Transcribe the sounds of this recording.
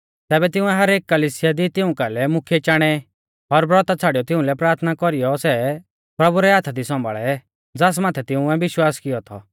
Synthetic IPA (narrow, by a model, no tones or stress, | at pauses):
t̪ɛːbɛt̪ɪʊ̃ɛɦɐɾeːkːɐliːsɪjad̪it̪ɪʊ̃kalɛmʊkʰijɛt͡ʃaːɽ̃ɛ | ɔɾbɾɔt̪at͡sʰaːɽijɔt̪ɪ̃ʊ̃lɛpɾaːɾt̪ʰnakɔɾijɔsɛ | pɾɐbuɾɛaːt̪ʰad̪isɔ̃mbʱa̰ɭɛ | d͡zaːs̬maːt̪ʰɛt̪ɪʊ̃ɛbɪʃwaːskɪjɔt̪ʰɔ̰